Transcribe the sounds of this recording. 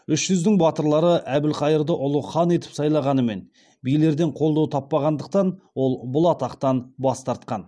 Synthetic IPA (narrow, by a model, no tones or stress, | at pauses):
ʏʃʒʏzd̪ɪŋbɑt̪əɾlˠɑɾəʔæbɪlqʰɑjəɾd̪əʔʊlˠəχɑne̞t̪ɪ̥psɑjlˠɑʁɑnəme̞̰n | bijle̞ɾd̪e̞ɴqʰo̞lˠd̪ɑwt̪ʰɑpːɑʁɑnd̪əq̚t̪ɑnwo̞lˠbʊlˠɑt̪ɑqt̪ɑnbɑst̪ɑɾt̪̚qɑn